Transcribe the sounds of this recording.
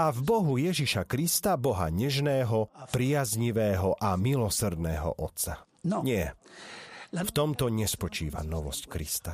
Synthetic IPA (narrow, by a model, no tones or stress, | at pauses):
avbɔɦujɛʒiʃakɾist̪abɔɦa̰ɲɛʒnɛːɦɔpɾɪjazɲiʋɛːɦɔʔamilɔsr̩d̪nɛːɦɔ̰ʔɔt̪sa | ɲɪɛ | ft̪ɔmt̪ɔɲɛspɔt͡ʃḭːʋa̰nɔʋɔ̰sckɾḭst̪a